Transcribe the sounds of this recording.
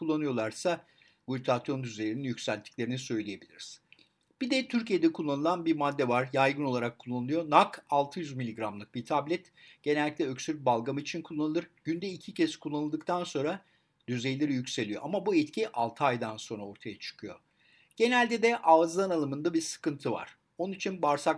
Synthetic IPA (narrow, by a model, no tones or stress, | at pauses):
kulˠːanɯjo̞lˠaɾsa | buyt̪ʰat̪ijo̞nd̪yzelʲininjycsælʲt̪ʰːi̥cʲlʲe̞ɾinisø̞jlʲije̞bilʲiɾiz̥ | b̥id̪ɛt̪ʰyɾcije̞d̪ɛkʰulˠːanɯlˠanbiɾmad̪ːɛvaɾjajɡɯno̞lˠaɾakʰːulˠːanɯlˠɯjo̞nakalˠt̪ʰɯjyzmilʲiɡɾamlˠɯk̚bit̪ʰablʲɛt̪ | ɟ̥e̞nɛlʲːictlʲɛøksyɾ̚balˠɡamɯit͡ʃʰinkʰulˠːanɯlˠɯɾɟ̥ynd̪ɛicʰicʰɛskʰulˠːanɯlˠd̪ɯkt̪ʰanso̞nɾa | d̪̥yzejlʲeɾijycse̞lʲijo̞̰ʔamabuɛt̪cʰiʔalˠt̪ʰɯajd̪anso̞nɾao̞ɾt̪ʰajat͡ʃʰɯ̥kʰɯjo̞̰ | ɟ̥e̞nælʲd̪ɛd̪ɛʔaːzanalˠɯmɯnd̪abiɾsɯ̥kɯnt̪ʰɯva̰ɾ̥ | o̞nunit͡ʃʰinbaɾsa